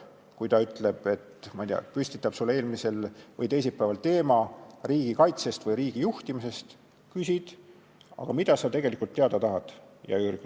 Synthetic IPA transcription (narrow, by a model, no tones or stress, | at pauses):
kujt̪ɑyt̪ːˑleb̥e̞t̪mɑjt̪d̪iɑ̰pysʲt̪it̪ːˑɑb̥sulːeeːlmise̞lvɤjt̪e̞js̬epːæːvɑlt̪e̞ːmɑriːɡ̥ikɑjt̪sest̪vɤjɾiːɡ̥ijuht̪imise̞st̪ | kysʲid̪̥ | ɑ̰ɡ̥ɑmid̪̥ɑsɑt̪e̞ɡ̥e̞likːˑult̪ːeɑd̪̥ɑt̪ɑɦɑd̪̥jɑ̰yːrk